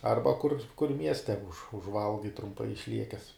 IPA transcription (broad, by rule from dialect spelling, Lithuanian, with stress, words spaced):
ˈɐrbɐ kʊr kʊr ˈmʲiɛsʲtʲɛ ʊʃ ʊʒˈʋɐlˠɡɐɪ trʊmˈpɐɪ ɪʃʲˈlʲiɛkʲɛs